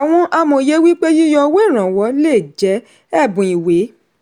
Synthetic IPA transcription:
a˨w̃ɔ̃˧ʔa˧mõ˧˨je˨˦wi˦k͡pe˦ji˦jɔ˧we˦˨ɾ̃ã˨wɔ˨˦le˦˨d͡ʒɛ˨˦ | ɛ˦˨bũ˨i˨we˨˦

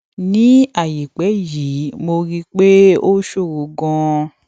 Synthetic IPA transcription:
nĩ˦a˦˨ji˨k͡pɛ˨˦ji˨˦mo˧ɾi˦k͡pe˦o˦ʃo˦˨ɾo˨˦ɡɔ̃˧

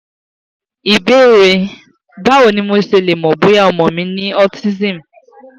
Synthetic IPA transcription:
i˨be˦˨ɾe˨˧ | ba˦wo˨nĩ˦mo˦se˧˨le˨m̩˨ɔ˨bo˦ja˦ɔ˨mɔ̃˨mĩ˨˦nĩ˦ɔ˦ti˦zi˦˨m̩˨

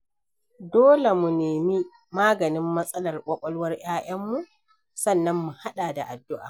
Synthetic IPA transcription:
doː˦le˨mu˨neː˨mi˦ | maː˦ɡɐ˨nɪ˦mːɐ˦sʼɐ˦lɐ˨rkʷʼɐ˦kʷʼɐ˦lwɐ˦rj̰aː˦ʔɐ˦mːu˨ | sɐ˦˨nːɐ˦mːu˨ha˦ɗaː˨da˨ʔa˨dːʊ˦ʔa̰ː˨

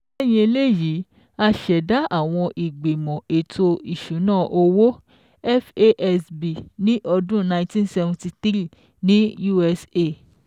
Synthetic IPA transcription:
ɛ˦˨j̃ĩ˧e˧le˦˨ji˨˦ | a˧ʃɛ˨da˦ʔa˦˨w̃ɔ̃˧ʔi˨ɡ͡be˨mɔ̃˨e˨tʰo˧i˨ʃũ˨˦nãː˦˨ʔo˧wo˦ | ɛ˦fe˦ʔɛ˧sbi˨nĩ˦ʔɔ˧dũ˦nã˧ĩ˧tĩ˦nsɛ˧vũ˧ti˧tɾi˦˨ | nĩ˦ju˦ɛ˧se˦˨

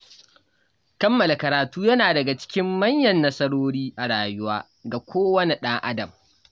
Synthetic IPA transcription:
kɐ˦mːɐ˨la˨kɐ˨ɾaː˨tuː˦jɐ˦naː˨dɐ˨ɡa˨t͡ʃɪ̥˦kʲɪ˦mːɐ˦ɲjɐ˨nːɐ˦sɐ˦ɽoː˦ɽiː˦ʔa˨ɽaː˨jʊ˦waː˦ | ɡa˨kʷoː˦wɐ˦ni˨ɗɐ˦ŋʔa̰˦dɐ˨m

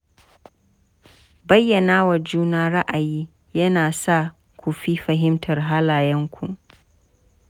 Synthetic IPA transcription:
bɐ˦jːɐ˨naː˦wɐ˨rd͡ʒuː˦naː˦ɽa˦ʔa˨jiː˦ | jɐ˦naː˨sa˦˨ | kʷu˨ɸi˦ɸɐ˨ɦɪ˦mtʰɐ˨rɦaː˦laː˨jɛ˦ŋkʷʰu˨

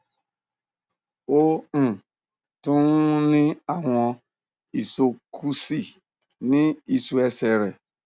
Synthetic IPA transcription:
o˦m̩˨ | tʊ˦ŋ˦nɪ˦a˨ŋʷɔ˨ | i˨so˨kʰu˦si˦˨ | nɪ˦i˨su˨e˦se˨ɾe˨

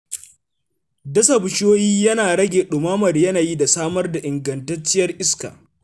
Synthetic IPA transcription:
dɐ˦sɐ˨bʊ˨ʃoː˦jiː˦jɐ˦naː˨ɽɐ˦ɡʲeː˨ɗʊ˨maː˦mɐ˨rjɐ˦naː˨ji˦da˨saː˦mɐ˦rda˨ʔɪ˨ŋɡɐ˨ntɐ˦t͡ʃːɪ˦jɐ˦rʔɪ˦ska̰ː˨

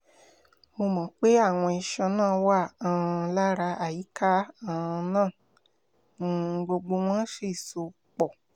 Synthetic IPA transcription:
mo˧mɔ̃˨˦k͡pe˦a˦˨w̃ɔ̃˧i˧ʃã˧nãː˦˨˧wa˦˨ã˨˧la˦ɾa˧a˨ji˨˦ka˦ã˦˧nãː˦˨˦ | ɡ͡bo˧ɡ͡bo˧w̃ɔ̃˦ʃe˦˨so˧˨ | k͡pɔ˨

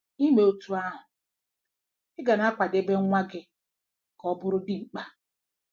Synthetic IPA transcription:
i˦me˨o˨tu˨˦a˦ɦʊ˨ | ɪ˦ɡa˨na˦a˦kʷa˨de˦be˦ŋ˦ŋʷa˦ɡɪ˦˨ | kɔ˦bʊ˦ɾʊ˦dɪ˦ŋ͡m̩˨k͡pa˦

